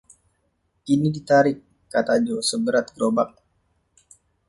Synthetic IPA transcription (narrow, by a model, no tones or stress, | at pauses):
ʔinidit̪aɾɪkː | at̪ad͡ʒosəbəɾat̪̚ɡɾobak̚